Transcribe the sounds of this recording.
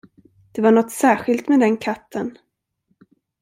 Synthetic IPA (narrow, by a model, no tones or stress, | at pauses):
d̪̥ɛvaɳɔt̪ːsæːɧɪlt̪mɛd̪ɛnkʰat̪ːən